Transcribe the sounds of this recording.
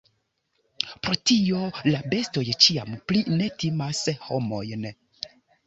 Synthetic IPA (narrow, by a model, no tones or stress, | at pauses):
pɾo̞tio̞labe̞sto̞jt͡ʃia̰mpline̞timashomo̞jn